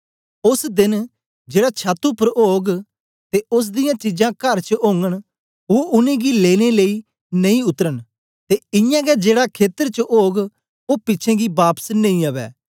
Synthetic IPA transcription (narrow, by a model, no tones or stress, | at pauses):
ʊsd̪ɪn | d͡ʒeːɽat͡ʃʰaːt̪ːupəɾoːɡ | t̪eːʊs̬d̪ɪjãːt͡ʃɪd͡ʒãːkɐɾt͡ʃəɦoːŋɡəɽ̃ | oːʔʊnẽːɡileːneləiː | nɐĩʊt̪əɾən | t̪eːɪjãːɡɛd͡ʒeːɽakʰeːt̪əɾt͡ʃəʔoːɡ | oːpɪːt͡ʃʰɛ̃ːɡibaːpə̥snɐ̃ĩːəʋɛ̰ː